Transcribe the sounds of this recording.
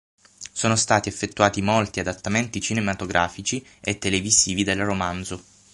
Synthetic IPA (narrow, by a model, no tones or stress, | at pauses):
soːnost̪aːt̪iefːet̪ːuaːt̪imolt̪iad̪at̪ːament̪it͡ʃinemat̪oɡɾʔaːfit͡ʃiet̪ːeleviziːvid̪elromand̪zo